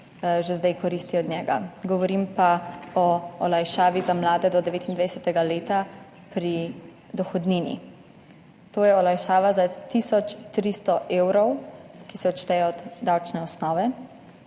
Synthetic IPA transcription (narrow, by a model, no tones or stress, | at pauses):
ʒezd̪ajkɔɾist̪iɔd̪nɲɛːɡa̰ɡɔʋɔɾimpaɔːlajʃaːʋizamlaːd̪ɛd̪ɔd̪ɛʋeːt̪ind̪ʋajsɛt̪ɛɡaleːt̪a | pɾi | d̪ɔxɔd̪ninḭ | t̪oːjɛɔlajʃaːʋazat̪isɔt͡ʃt̪ɾist̪ɔʔeːwɾɔwkisɛɔt̪t͡ʃt̪ɛjɔɔd̪ːawt͡ʃnɛɔsnɔːʋɛ